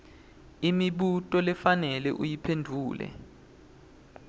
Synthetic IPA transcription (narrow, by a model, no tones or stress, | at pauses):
imiɓutʼɔlɛfanɛlɛ̰ʔujipʰendʱuːlɛ̰